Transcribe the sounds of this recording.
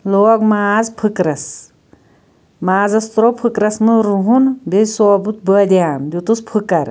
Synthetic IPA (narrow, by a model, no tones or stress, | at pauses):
loːɡmaːzpʰɨkɾɐs | maːzɐst̪ɾopʰɨkɾɐsmɨɾuɦunbezsoːbut̪̚bəd̪jaːmd̪ut̪uspʰɨkɐɾ